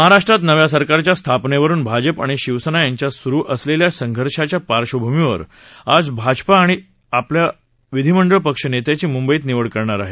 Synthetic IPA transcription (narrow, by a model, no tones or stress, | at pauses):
məɦaɾaʂʈɾat̪nəʋjasəɾkaɾt͡ɕjast̪ʰapneʋəɾuːnbʱad͡ʑəpa̰ɽ̃iɕiʋsənajaɲt͡ɕjasuɾuːʔəsleljasəŋɡʱəɾɕat͡ɕjapaɾɕobʱumiʋə̰ɾ | ad͡zbʱad͡ʑpaːɽ̃i | aplja | ʋid̪ʱiməɳɖəɭpəkʂənet̪jat͡ɕiːmumbəiːt̪niʋəɭkəɾɳaɾaɦe